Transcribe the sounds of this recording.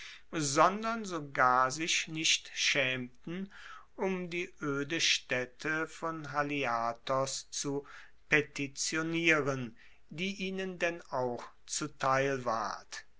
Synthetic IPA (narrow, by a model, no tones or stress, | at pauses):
zɔndɐnzoɡaːɐzɪçnɪʃtʃɛːmtn̩ʔʊmdiːʔøːdəʃtɛtʰəfɔnɦaliaːtɔst͡su | petit͡sjoniːʁən | diːʔiːnəndɛnaʊx | t͡sutʰaɪlva̰ɐt